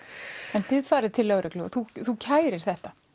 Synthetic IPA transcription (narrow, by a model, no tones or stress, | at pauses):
ɛnθɪðfaːɾɪðt̪ʰɪlːœwɾʔʏklʏɔ̰θuθucʰaːjɾɪɾ̥θɛht̪a